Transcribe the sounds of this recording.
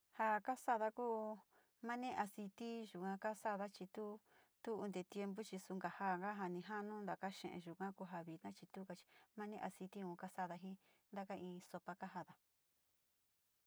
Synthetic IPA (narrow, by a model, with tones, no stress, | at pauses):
ha˧ka˦sa˦ða˧kuː˦ | mã˦nẽ˦ʔa˧si˧t̪i˦ʒu˨kã˧ka˦sa˦ða˦t͡ʃi˧t̪u˦ | t̪u˦u˧nd̪e˨t̪je˧mbu˦t͡ʃi˧su˧ŋɡa˨ha˦˨ŋɡa˦ɦa˧nĩ˧ɦa˦nũ˦nd̪a˨ka˦ʃḛ̃˨ʔḛ̃˧ʒu˨kã˦ku˧ɦa˧βi˨nã˦t͡ʃi˧t̪u˦ka˧t͡ʃi̥˧mã˦nẽ˦ʔa˧si˧t̪i˦ũ˧ka˦sa˦ða˧ɦĩ˦ | nd̪a˧ka˦ĩː˧so˧pa˧ka˦ɦa˧ða˧